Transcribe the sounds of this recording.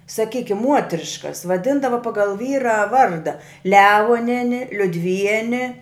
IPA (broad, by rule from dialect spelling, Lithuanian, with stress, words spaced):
sɐˈkʲiːkʲɪm ˈmuɔtʲrʲɪʃkɐs ʋɐˈdʲɪndɐʋɐ ˈpɑːɡɐlˠ ˈʋʲiːrɐ ˈʋɐrdɐ ˈlʲæːʋoːnʲɛnʲɪ lʲʊdʲˈʋʲiɛnʲɪ